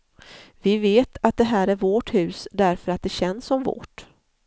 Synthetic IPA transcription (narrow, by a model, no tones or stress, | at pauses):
vɪveːt̪ʰat̪̚d̪ɛɦæːɾæɾvoːʈhʉ̟ːsd̪æɾfœɾat̪̚d̪ɛɕɛnsːɔmvo̰ːʈ